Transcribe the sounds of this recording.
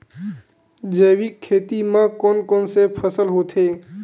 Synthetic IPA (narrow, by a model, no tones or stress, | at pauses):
d͡ʒəʋikʰːeːt̪imãkoːnkoːnsepʰəsəlɦoːt̪ʰeː